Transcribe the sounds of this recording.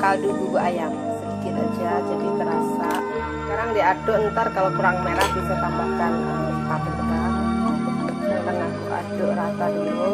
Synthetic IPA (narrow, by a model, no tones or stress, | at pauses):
kaduɡuɡaʔajam | tit̪ad͡ʒad͡ʒadikəɾasa̰ | səkaɾaŋdiadʊʔənt̪arkalokuɾaŋmeɾahɡisat̪ambahkanəmkapərkaɾa̰ŋ | at̪əŋahkuka̰doɾak̪at̪̚ɡilu